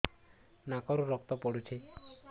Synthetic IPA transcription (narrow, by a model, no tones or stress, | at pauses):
nakɔɾuɾɔk̚t̪ɔpɔɽut͡ʃʰe